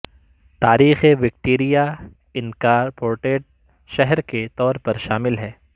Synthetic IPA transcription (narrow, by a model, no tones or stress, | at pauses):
t̪aːɾiːxeʋɪk̚ʈeːɾija | ɪnkaːɾpoːɾʈeːʈ̚ | ʃɛɦɛɾket̪ɔːɾpɐɾʃaːmɪlɦɛː